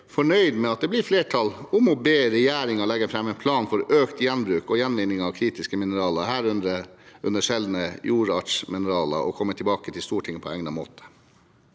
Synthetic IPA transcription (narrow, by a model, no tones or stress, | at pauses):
fɔɳœʏd̪mɛɑt̪̚d̪ɛblɪɾfleːʈʰɑlʊmɔbeːɾɛjæːɾɪŋɑɭɛɡːəɾfɾɛmːɛɪnpʰlɑːnfɔɾøːkt̪jɛnbɾʉːkɔjɛnʋɪnːɪŋɑʋkʰɾiːt̪ɪskəmɪnəɾɑːlɑɾhæːɾʉnd̪əɾəʉnəʂɛld̪nəjuːɾɑʈʂmɪnəɾɑːlɑ̰ʔɔ̰kʰɔmːət̪ʰɪlbɑːkət̪ʰɪlst̪uːʈʰɪŋːəpʰɔɛŋnɑmo̰ːt̪ʰə̥